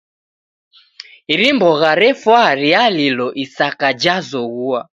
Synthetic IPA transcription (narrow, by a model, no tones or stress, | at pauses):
iɾimbɔɣaɾɛfwaɾialilɔʔisakad͡ʒazɔɣua